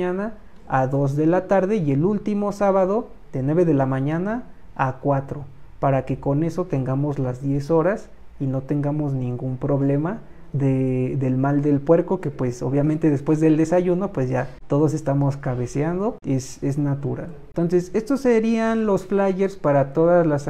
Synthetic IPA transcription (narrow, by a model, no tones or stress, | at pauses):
ana | aðo̞zðe̞lat̪aɾðe̞ie̞lult̪imo̞saβaðo̞ | ðenwe̞βeðe̞lamãɲanaː | kwat̪ɾo̞paɾake̞ko̞ne̞so̞t̪e̞ŋɡamozlazðje̞so̞ɾas | ino̞t̪e̞ŋɡamo̞snĩŋɡumpɾo̞βle̞ma | ðeðe̞lmald̪e̞lpwe̞ɾko̞ke̞pwe̞so̞βjament̪e̞ðespwe̞zðe̞ld̪e̞saʝuno̞pwe̞zʝat̪o̞ð̞o̞s̬e̞st̪amo̞skaβe̞seand̪o̞e̞se̞znat̪uɾalnt̪o̞nse̞se̞st̪oseɾianlo̞sflaʝeɾspaɾat̪o̞ðazlas